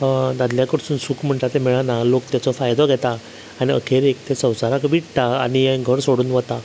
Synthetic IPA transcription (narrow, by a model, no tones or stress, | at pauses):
d̪ad̪ljakəɾsuːnsukm̤əɳʈ̪at̪emiɭanalok̚t̪jat͡sɔfajd̪ɔɡʱɛt̪a | aniə̰kʰeɾekt̪ʰesə̃w̃saɾãkʋiʈt̪aa̰niẽɡʱəɾsoɽuːnʋət̪a